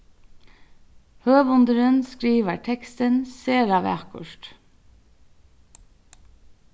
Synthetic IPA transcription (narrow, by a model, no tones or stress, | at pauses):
høːbʊnd̪əɾənskɾiːʋəʈʰɛkst̪ənseːɾaʋæ̰kʊ̰ʂt̪